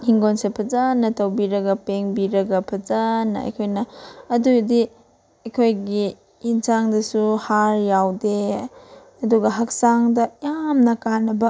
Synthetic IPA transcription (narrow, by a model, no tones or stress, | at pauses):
hiŋɡonsepʰɐzanːɐtɐwbiɾɐɡɐpeŋbiɾɐɡɐpʰɐzanːɐ̰ɐ̰jkʰojnɐːdudi | ɐjkʰojɡiː | nsaŋdɐsuhaɾjawde | ɐduɡɐɦɐk̚saŋdɐjamnɐkanːɐbɐ